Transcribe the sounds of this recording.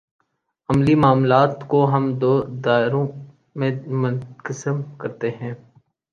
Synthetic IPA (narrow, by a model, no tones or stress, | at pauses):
ɐmlimaːmlaːt̪koɦɐmd̪oːd̪aːɪɾõ | mẽmʊnkəsəmkɐɾt̪eɦɛ̃ː